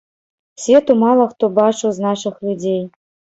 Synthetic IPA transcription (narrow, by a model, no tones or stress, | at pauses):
sʲvʲet̪umɑlˠɤ̆χt̪ubɑʃuznɑʂɤ̆xlʲudʲej